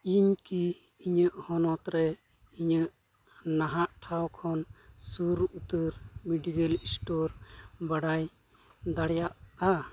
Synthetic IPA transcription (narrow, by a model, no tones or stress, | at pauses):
iɲkiː | ɲəʔhɔnɔt̪ɾɛ | iɲəʔ | naɦaʔʈʰawkʰɔnsuɾut̪əɾmiɖiɡəlisʈɔɾbaɽaj | d̪aɽjaʔa